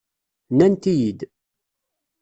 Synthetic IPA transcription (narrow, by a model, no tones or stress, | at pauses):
nænt̪ijid̪